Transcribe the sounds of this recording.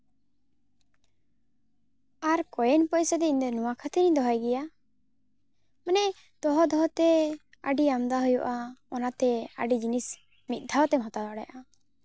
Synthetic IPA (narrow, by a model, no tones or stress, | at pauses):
aɾkɔjɛnpɔjsɔd̪ɛind̪ɛnuwakʰat̪ʰinid̪ɔɦajɡɛja | manɛ | d̪̥ɔɦɔd̪ɔɦɔt̪ɛ | a̰ɖiamd̪aɦujɔʔaɔnat̪ɛa̰ɖid͡ʒinis | mit̪̚ˀd̪ʱawɔt̪ɛmɦɔt̪aaɽɛ̰jʔa